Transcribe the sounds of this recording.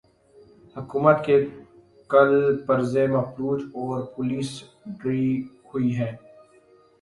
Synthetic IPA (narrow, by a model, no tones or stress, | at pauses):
hʊkuːmət̪ke | kɐlpəɾzemɐpɾuːt̪ɔːɾpʊliːs | ɖɾiːhʊiɦɛ̃ː